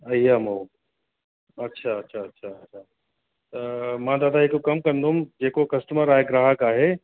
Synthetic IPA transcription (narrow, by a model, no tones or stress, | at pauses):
ɐjamo | ɐtːʃʰaɐtːʰaɐtːʃʰaɐtːʃʰa | t̪ɐmãd̪aːd̪aekokɐmkɐɾnd̪oumd͡ʒeːkokɐsʈəməɾaːɦeɡɾaɦəkaːɦe